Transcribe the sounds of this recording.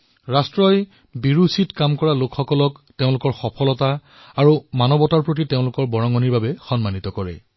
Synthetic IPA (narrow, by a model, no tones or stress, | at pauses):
ɹastɹɔj | biɹusitkamkɔɹalokxɔkɔlɔk | teʊ̃lʊkɔɹxɔpʰɔlɔta | aɹumanɔbɔtaɹpɹot̬iteʊ̃lʊkɔɹbɔɹɔŋɔniɹbabɛxɔnmanit̪ɔkɔɹɛ̰